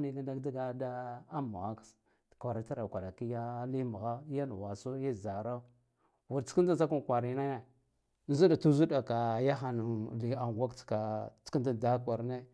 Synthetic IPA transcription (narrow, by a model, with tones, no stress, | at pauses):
ni˦ɡa˦da˦kda˦ɡa˦da˦a˦mṵ˨ɣa˦ks | kʷa˨ɾa˨ta˦ɾa˨kʷa˨ɾa˨ki˦ja˦li˦mu˨ɣa˦ja˦n˨wa˨so˦e˦˨za˨ɾa˦ | wu˨ɾt͡si̥˦ki˦da˦a˦ku˦n˨kʷa˨ɾi˨˦na˦ja˨˦ | zu˦da˨tu˦zu˦da˨ka˨ja˦xa˨nu˨li˨a˨ŋ˨ɡʷa˦kt͡ska˨t͡ski˦nda˦˨da˦kʷa˨ɾne˦